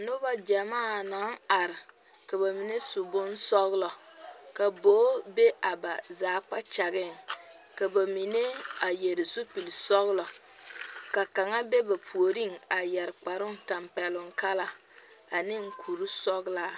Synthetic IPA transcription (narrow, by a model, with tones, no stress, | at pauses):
nʊ˦ba˦d͡ʒa˨maː˦˨na˨˦ŋa˨ɾɪ˨ | ka˨ba˨mi˨ne˦sʊ˨bʊ˦nsɔ˦ɣlɔ˨ka˨boː˨˦be˦ʔa˨ba˨zaː˨˦k͡pa˦t͡ʃa˨ɣɪ˦˨ŋ | ka˨ba˨mi˨ne˦a˨je˨ɾɪ˨su˦pi˨lsɔ˦ɣlɔ˨ | ka˨ka˨ŋa˦be˦ba˨pʰu˨o˨ɾi˦ŋa˨jɛ˨ɾɪ˨k͡pa˨ɾʊ˦ŋta˨mpɛ˨lʊ˦ŋka˦la˦ | a˨nɪ˦ŋ̩˦kʰu˨ɾu˦sɔ˦ɣlaː˦